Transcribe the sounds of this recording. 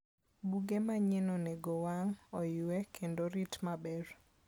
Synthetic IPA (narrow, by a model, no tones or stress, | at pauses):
buɡemaɲenoneɡowaŋɔjwekʰendoɾitmabɛr